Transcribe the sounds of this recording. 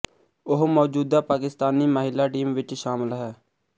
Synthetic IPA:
ʊɦmɔːd͡ʒuːd̪aːpaːkɪst̪aːniːməɦɪlːaːʈiːmʋɪt͡ʃʃaːmɪlɦɛː

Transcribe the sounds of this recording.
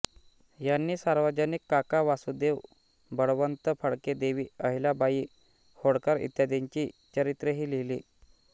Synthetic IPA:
janːiːsaɾʋəd͡ʑənikːakaʋasud̪eʋ | bəɽʋənt̪əfʰəɽked̪eʋiːəɦilabaiː | hoɽkaɾḭt̪jad̪eɲt͡ɕiːt͡ɕəɾit̪ɾəɦiːliliː

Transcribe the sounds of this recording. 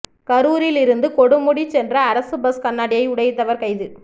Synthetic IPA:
kɐɾuːɾɪlɪɾɯnd̪ɯkɔɽɯmʊɽit͡ʃːɛndrɐːɾɐsɯbɐskɐnːaːɽɪjɐɪʊɽɐjt̪ːɐʋɐɾkɐɪðɯ

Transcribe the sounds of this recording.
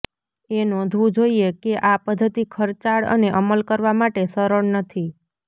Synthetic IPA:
enõd̪ʱũd͡ʒoiekeʔapəd̪ʱːət̪ikʰəɾt͡ʃaɭə̰neʔəməlkəɾʋamaʈesəɾəɳnət̪ʰi

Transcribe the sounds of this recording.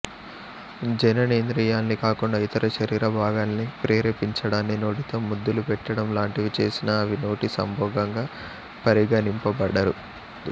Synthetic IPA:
d͡ʒɐnɐneːnd̪ɾijaːnːikaːkuɳɖait̪ɐɾɐʃɐɾiːɾɐbʱaːɡaːnnipɾeːɾɐpiɲt͡ʃɐɽaːnːino̞ːʈit̪oːmːud̪ːulupɛʈːɐɽɐmlaːɳʈiʋit͡ʃe̞ːsinɐːʋino̞ːʈisɐ̰mbʱɔːɡɐŋɡaː | pɐɾiɡaːnimpɐbɐɽɐɾu

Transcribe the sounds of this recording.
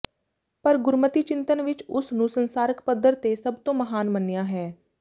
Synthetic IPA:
pəɾɡʊɾmət̪iːt͡ʃɪ̃nt̪ənʋɪt͡ʃʊsnũːsənsaːɾəkpəd̪ːəɾt̪eːsəbt̪õːməɦaːnmənːɪjaːɦɛː

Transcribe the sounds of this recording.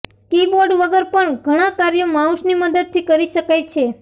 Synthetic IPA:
kiboɾɖʋəɡəɾpəɳɡʱəɽ̃ãkaɾjomãũʃniməd̪əd̪̚t̪ʰikəɾiʃəkajt͡ʃʰe

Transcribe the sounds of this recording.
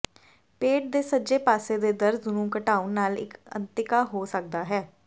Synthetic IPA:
peːʈ̚d̪eːsəd͡ʒeːpaːseːd̪eːd̪əɾznũːkəʈaːʊnːaːlɪ̰kə̰nt̪ɪkaːɦoːsək̚d̪aːɦɛː

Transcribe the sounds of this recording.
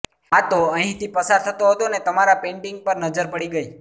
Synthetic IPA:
at̪oəɦĩt̪ʰipəsaɾt̪ʰət̪oɦət̪onet̪əmaɾapẽɳʈiŋɡ̚pəɾnəd͡ʒəɾpəɽiɡəi

